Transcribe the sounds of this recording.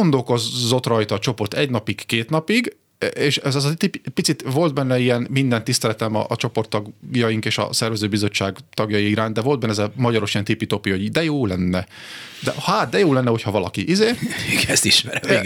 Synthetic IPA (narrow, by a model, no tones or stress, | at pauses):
ɡo̞nd̪o̞lko̞zːo̞t̪rɒjt̪ɒːt͡ʃo̞po̞rt̪ɛɟnɒpikkeːt̪nɒpiɡ | eːʃɛzɛzɒt̪ippit̪sit̪vo̞ld̪̚bɛnːɛijɛnmind̪ɛnt̪ːist̪ɛlɛt̪ɛmɒ̰t͡ʃo̞po̞rt̪ːɒɡjɒjiŋkeːʃɒ̰sɛrvɛzøːbizo̞t͡ʃːaːɡt̪ɒɡjɒjiiɾaːnd̪ɛvo̞ld̪bɛnːɛzɛmɒɟɒɾo̞ʃijɛnt̪ipit̪o̞pio̞ɟd̪ɛjoːlɛnːɛ | d̪ɛ̰haːt̪̚d̪ɛjoːlɛnːɛochɒvɒlɒkiʔizeːiɡɛst̪iʃmɛɾɛm